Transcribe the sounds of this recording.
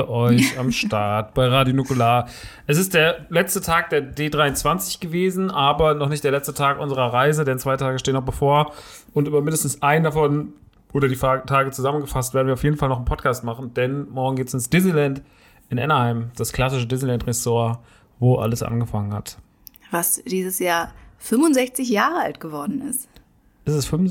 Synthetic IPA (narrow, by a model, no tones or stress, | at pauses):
ʔɔʏçamʃtaɐtb̥aɪʁaːdjonukʊlaːʔɛs̬ɪst̚d̥eːɐlɛt͡stətʰaːk̚d̥eːɐdeːdʁaɪʊnt͡sv̥ant͡sɪ̥çɡ̥əveːzn̩ʔaːbɐnɔχnɪçtd̥eːɐlɛt͡stətʰaːkʔʊnzəʁ̞ɐʁaɪzədɛnt͡sv̥aɪtʰaːɡəʃteːənɔχb̥əfoːɐ | ʊntyːbɐmɪndəstn̩sʔaɪndafɔn | ʔoːɾɐdiːfatʰaːɡət͡suzamənɡəfastveːɐdn̩viɐʊfjeːdn̩falnɔχɪnpʰɔtkʰaːstmaχn̩d̥ɛnmɔɐɡŋ̩ɡeːtə̥sɪnsd̥ɪz̩lɛnt | ʔɪnʔɛ̰nɐhaɪmd̥askl̥asɪʃədɪz̩lɛntʁɛsoːɐ | voːʔa̰ləsʔa̰nɡəfaŋənhat | vasd̥iːzəsjaːɐfʏmʊnzɛçt͡sɪçjaːʁəa̰ltɡ̥əvɔɐdn̩ɪ̰st | ʔɪstɛsfm